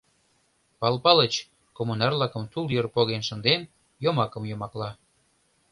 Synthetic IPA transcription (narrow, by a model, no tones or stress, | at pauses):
pɑlpɑlət͡ɕ | komunɑrlɑkə̆mt̪uljørpoɣenʃə̆nd̪en | jomɑkə̆mjomɑklɑ